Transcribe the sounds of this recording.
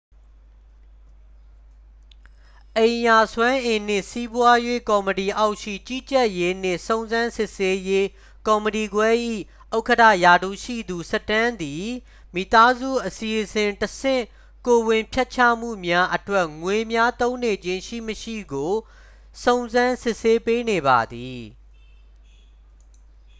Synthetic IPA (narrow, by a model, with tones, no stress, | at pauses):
ʔẽ˨ɪ̃ja˨swã˦ʔɪ̃˨n̥ɪ̰̃˦˨si˦bwa˦jwḛ˦˨kɔ˨məti˨ʔa˦ʊʔʃḭ˦˨t͡ɕi˦t͡ɕɛ˦˨ʔje˦n̥ɪ̰̃˦˨sõ˨ʊ̃nzã˦nsɪ˦ʔse˦je˦ | kɔ˨məti˨ɡwɛ˦ʔḭ˦˨ | ʔo˦ʊkətʰä̰˦˨ja˨d̪ṵ˦˨ʃḭ˦˨d̪u˨sə˦tã˦nd̪i˨ | mi˦˨t̪a˦zṵ˦˨ʔəsi˨ʔəsɪ̃˨ntəsɪ̰̃˦˨ | ko˨wɪ̃˨mpʰjɛ˦t̚t͡ɕʰa̰˦˨m̥ṵ˦˨mja˦ʔətwɛ˦ʔŋwe˨mja˦t̪õ˦ʊ̃ne˨d͡ʑɪ̃˦ʃḭ˦˨məʃḭ˦˨ɡo˨ | sõ˨ʊ̃nzã˦nsɪ˦ʔse˦pe˦ne˨ba̰˨d̪i˨